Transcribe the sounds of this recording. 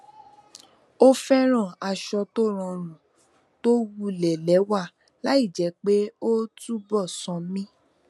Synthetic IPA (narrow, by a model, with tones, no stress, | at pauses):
o˦fɛ˦ɾ̃ã˦˨a˧ʃɔ˧to˦˨ɾ̃ɔ̃˧˨ɾ̃ũ˨ | to˦wu˦˨lɛ˨lɛ˨˦wa˦˨ | la˨˦i˦˨d͡ʒɛ˨˦k͡pe˦o˦tu˦bɔ˦˨sɔ̃˧mĩ˦